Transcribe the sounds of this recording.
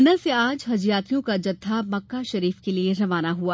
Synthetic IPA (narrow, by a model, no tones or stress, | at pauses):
naseaːd͡ʒɦɐd͡ʒjaːt̪ijõkad͡ʒɐd̪ʰʱːamɐkːaʃɐɾiːfkelieɾɐʋaːnaɦua